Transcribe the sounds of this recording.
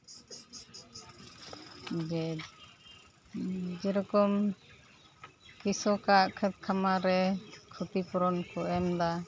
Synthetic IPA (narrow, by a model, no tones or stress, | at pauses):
d͡ʒ | d͡ʒɛɾɔkɔm | kisɔkaʔkʰɛt̪̚kʰamaɾɛkʰut̪ipɔɾɔnkɔʔɛmd̪a